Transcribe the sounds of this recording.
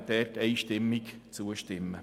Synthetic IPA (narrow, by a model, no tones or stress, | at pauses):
t̪ɛːteɪʃtɪmːɪkt͡suəʃtɪmə